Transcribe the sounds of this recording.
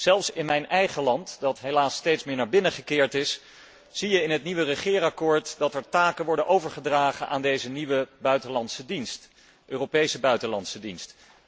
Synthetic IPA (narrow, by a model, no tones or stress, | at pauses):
z̥ɛlˠfsɪnmɛjnɛjχəlɑntdɑtɦelaːstejtsmɪːɹnaːɹbɪnəχəkɪːɹtɪs | z̥ijəɪnɦətniʋərəχɪːɾɑkʊːɹtdɑtɛɹtaːkənʋɔɹdənʔowvəɹχədraːχənʔa̰ːndejzəniʋəbœɥtəlɑntsədinst | ʔøːrowpejsəbœɥtəlɑntsədinst